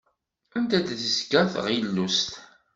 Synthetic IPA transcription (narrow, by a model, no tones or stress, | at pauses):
ænt̪æd̪θəskːæθə̰ʁəlːust̪